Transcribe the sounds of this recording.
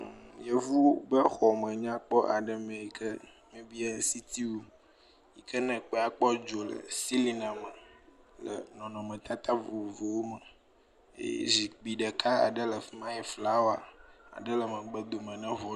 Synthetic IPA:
jɛ˨vu˦bə˦xɔ˨mə̃˨ɲã˦k͡pɔ˦ʔa˨ɖə˦mɛ̃˨i˨kʰə˦ | mɛ̃˦bi˦a˦si˦t̪ʰi˦wu˦ | ji˨kʰə˦nɛ̃˨k͡pɛ˨a˨k͡pɔ˦d͡ʒo˨lə̰˨si˦li˦nã˨mə˨ | lə̰˨nɔ̃˨nɔ̃˨mə̃˨t̪a˦t̪a˦vo˨vo˨wo˦mə˨ | ḛ˦zi˨k͡pi˨ɖə˨ka˦a̰˨ɖə˦lə˨fi˦mã˦jɛ˨fla˦wo˦a̰˨a̰˨ɖə˦lə˨mə̃˨ɡ͡bə˨d̪o˨mə̃˨nɛ̃˦vɔ˨

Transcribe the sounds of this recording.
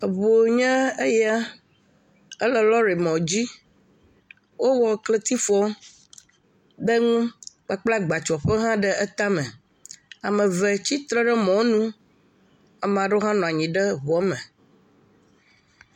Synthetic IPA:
ə˨βo˨ɲɛ̃˦e˦jɛ˦a˦ | ə˦lə˨lɔ˦ɾe˨mɔ̃˨d͡ʑi˦ | wo˦wɔ˦kle˦t̪i˦fɔ˦ | bə˦ŋũ˦k͡pa˦k͡pla˦ɡ͡ba˨t͡ʃɔ˨ɸɛ˦ɦã˦ɖə˦ə˦t̪a˦mɛ̃˨ | a˨mɛ̃˨vɛ˨t͡ɕi˦t̪ɾɛ˦ɖə˦mɔ̃˨˦nũ˦ | a˨m˨a˨ɖo˦ɦã˦nɔ̃˨a˨ɲĩ˨ɖə˦βɔ˨˦mɛ̃˨

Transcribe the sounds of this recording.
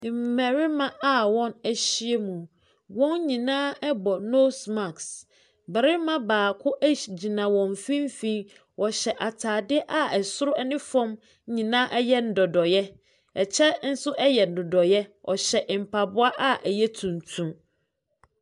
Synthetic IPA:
m̩˨mæ˨ɾɪ˦mã˦ʔa˨wɔ̃˦næ˨ɕi˦e˦mũ˨ | wɔ̃˦n˦ɲĩ˨nãː˦ɛ˦bɔ˨no˦sma˨ks | bɛ˨ɾɪ˦mã˦baː˨kʰʊ˦ʔæ˦˨d͡ʑi˨nã˨wɔ̃˨ɱ˨fĩ˦m˦fĩ˦ | wʔɔ˨ɕɛ˨ʔa˨tʰaː˨dɪ˦ʔa˦ɛ˨sʊ˦ɾʊ˦ɛ˦nɪ̃˦fɔ̃˦m˦ | ɲĩ˨nãː˦ʔɛ˦jɛ˦n̩˨dɔ˨dɔ˨jɛ˦ | ɛ˨t͡ɕʰɛ˦n̩˦sʊ˦ʔɛ˦jɛ˨n̩˨dʊ˨dɔ˨jɛ˦ɔ̰˨ɕɛ˨ʔm̩˨pʰa˨bʊ˦a˦ʔa˦ʔɛ˨jɛ˦tʰũ˨n˨tʰũ˦m

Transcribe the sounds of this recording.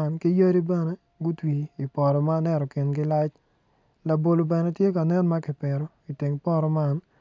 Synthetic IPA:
a˦nkɪ˦jo˦ɾi˦bɛ˦nɛ˦ | ɡʊ˦twiː˨pɔ˨ɾɔ˨maː˦nɛ˦ɾɔ˨kɪ˨nɡɪ˦la˦t͡ʃ | la˨bo˨lo˨bɛ˨nɛ˦tje˦ka˨nɛ˦nma˦kɪ˨pɛ˨ɾɔ˨ | i˨tɪ˨ŋpɔ˦ɾɔ˦ma˦n

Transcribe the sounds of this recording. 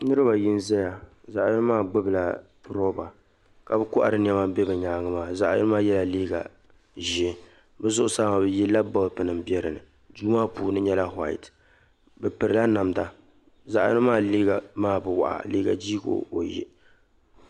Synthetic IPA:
nɨ˦ɾɨ˦ba˨ji˦n˦zɛ˦ja˨ | za˨ʔjɨ˦maː˦˨ɡ͡bɨ˦bɨ˨la˨ | ɾo˦ba˨ | ka˨bɨ˦kʊ˦ʔa̰˨ɾɨ˨n˦ɛ˦ma˦bɛ˦bɨ˨ɲaː˨˦ŋɨ˦maː˨za˨ʔɛ̰˦nɨ˦maː˦jɛ˦la˨liː˦ɡa̰˨ | ʒi˨˦ | bɨ˦zʊ˦ʔʊ˦saː˦ma˨bɛ˨ji˦la˦bɔ˦lpɨ˨nɨ˨m˦bi˦ɛ˦ɾɨ˨nɨ̰˨ | duː˦maː˦puː˨nɨ˦ɲɛ˦la˦ɦa̰˦˨ḭ˨t | bɛ˨pɨ˨ɾɨ˨la˦na˨mda˨ | za˨ʔnɨ˦maː˦˨liː˦ɡa˨maː˦˨bɨ˨wa̰˨ʔa̰˨liː˦ɡa̰˨d͡ʒi˦ɡo̰˨˦o˨jḭ˦

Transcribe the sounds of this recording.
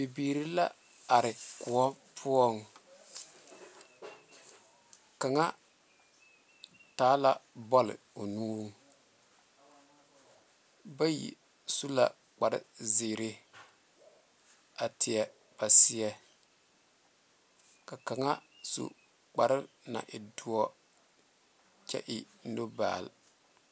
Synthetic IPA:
bi˨biː˨ɾi˦la˦ | a˨ɾɪ˨ku˨ɔ˦ | pʰʊ˦ɔ˦ŋ | ka˨ŋa˦ | taː˨˦la˨bɔ˦lɪ̰˨o˨nuː˦ | ba˦jḭ˨ | su˦la˨ | k͡pa˨ɾɪ̰˦zɪ˨ɾɪ˦ | a˨tʰɪ˨ɛ˨ | b̥a˨sɪ˦ɛ˦ | ka˨ka˨ŋa˦sṵ˨ | k͡pa˨ɾɪ˦ | na̰˨ʔɪ˨du˦ɔ˦ | t͡ʃɛ̰˦ʔɪ˨˦ | no˦ba̰ː˨l

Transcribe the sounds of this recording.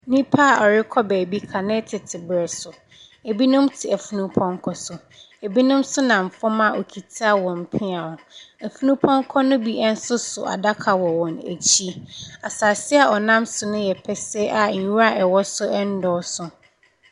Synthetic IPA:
nĩ˦pʰa˦˨ʔɔ˨ɾɪ˦kʰɔ˦bæː˨bi˦kʰa˨nɪ̃˦tʰɪ˨tʰɪ˨bɾɛ˨sʊ˨ | e˨bi˦nʊ̃˦mtʰɪ˨æ˨fu˦nũ˦pʰɔ̃˦ŋkʰɔ˦sʊ˨ | e˨bi˦nʊ̃˦msʊ˦nã˨m˨fɔ˦mã˦˨ʔo˨kʰi˨tʰi˦a˦wɔ̃˨m̩˨pʰĩ˦a˨ʊ̃˨æ˨fu˦nũ˦pʰɔ̃˦ŋ˦kʰɔ˦nʊ̃˦bi˦ʔɛ˦n̩˦sʊ˦sʊ˨ʔa̰˨da˦kʰa˨wɔ˨wɔ̃˨næ̰˨t͡ɕʰi˦a˨saː˨sɪ˦a˨ɔ˨nã˦msʊ˨nʊ̃˦jɛ˨pʰɛ˨sɛ˦ʔa˨ɲ̩˨ju˦ɾa˦˨ʔɛ˨wɔ˦sʊ˦ɛ˦n̩˦dɔː˦sʊ˨

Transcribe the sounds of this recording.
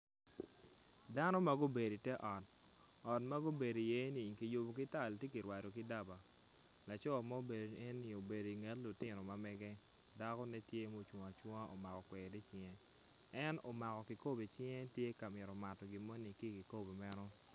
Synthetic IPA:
da˦nɔ˦ma˦ɡo˦be˨di˨tɛ˦ʔɔ˨t̚ | ɔ˨tma˦ɡo˦be˨do˨je˦ni˨ki˨ju˨bo˨k̬ɪ˦ta˦˨ltje˦ki˨ɾwa˨ɾo˨kɪ˦da˦ba˨ | la˨t͡ʃɔ˦˨ma˦o˦be˨de˦nni˨o˨be˨do˨i˨ŋɛ˦tlʊ˨tɪ˦no˨ma˦mɛ˦ɡɛ˦ | da˦kɔ˦nɛ˦tje˦mo˦t͡ʃwɔ˨a˨t͡ʃwɔ˦a˦ʔo˨ma˨kɔ˨kwɛ˨di˦t͡ʃɪŋɛ˦ | ɛ˦no˨ma˨kɔ˨ki˨ko˦be˨t͡ʃɪ˦ŋɛ˦tje˦ka˨mɪ˨ɾɔ˨ma˨tɔ˨ɡɪ˨mo˦ni˨ki˦˨ki˨ko˦be˨mɛ˦nɔ˦

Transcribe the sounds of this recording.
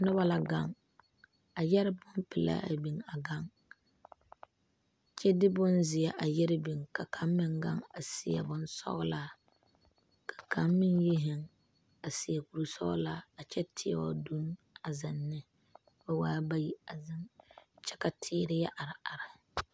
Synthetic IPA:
nʊ˦βa˦la˨ɡa˨ŋ | a˨jɛ˦ɾɪ˦bʊ˦npɪ˨la̰˦a̰˨bi˨ŋa˨ɡa˦ŋ | t͡ʃɛ˦dɪ˦bʊ˦nzɪ˨jɛ˨ʔa˨jɛ˦ɾɪ˦bi˨ŋka˨kʰa˦m˦mɪ˦ŋɡa̰˦ŋa˨sɪ˨jɛ̰˨bʊ˦nsɔ̰˦ɣla˦ | kʰḁ˨kʰa˦mmɪ˦nji˦ɦɪ˨ŋ | a˨si˨a˨ku˨ɾu˨sɔ̰˦ɡʊ̰˦la˦a˨t͡ʃɛ˦tʰɪ˦a̰˦wɔ̰˦du˦n | a˨zɪ˨nːɪ˦ | ba˦waː˦ba˦ji˦a˨zɪ˦nt͡ʃɛ̥˦ka˨tʰɪː˦ɾɪ˦ja˦ʔa˨ɾɪ˨a˨ɾɪ˨

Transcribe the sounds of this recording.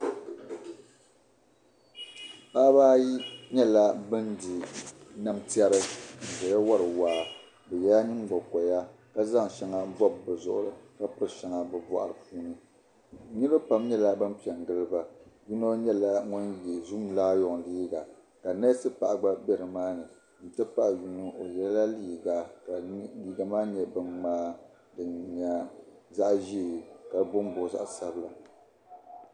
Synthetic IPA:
pa˦baː˦ji˦ɲɛ˦la˦bɨ˦ndi˨na˦mti˦a˦ɾɨ˦n̩˨zɛ˨ja˦wa˦ɾɨ˨waː˨˦ | bɛ˨ja˦ɲɨ˦n˦ɡ͡bɔ˨kɔ˨ja˦ | ka˦za˦ŋ˨ʃɛ˦ŋa˦vɔ˦bːɨ˨zʊ̰˨ʔʊ̰˦ɾɨ˨ka˦pɨ˦ɾɨ˨ʃɛ˨ŋa˨bɨ˨bɔ̰˨ʔa̰˨ɾɨ˨pʰuː˦nɨ˦˨ | nɨ˦ɾpa˦mɲɛ˦la˦bɨ˦n˦pi˨ɛ˨ŋ˨ɡɨ˦lɨ˦ba˨ju˦no˦ɲɛ˦la˦ŋɔ˦njɛ˨zu˦m˨laː˦jɔ˨ŋliː˦ɡa˨ | ka˨nɛ˦sɨ˦pa̰˨ʔɡ͡ba˦bɛ˨ɾɨ˨maː˦nɨ˨ | n̩˨tɨ˦pa˦ʔju˦nu˦ʔo˨jɛ˦lla˦liː˦ɡa˨ka˨liː˦ɡa˨maː˦ɲɛ˨bɨ˨ŋmaː˦ | dɨ˨nɲa˨za˦ʔʒi˦˨ka˨˦bʊ˦m˦bo˨za̰˦ʔsa˦bla˨

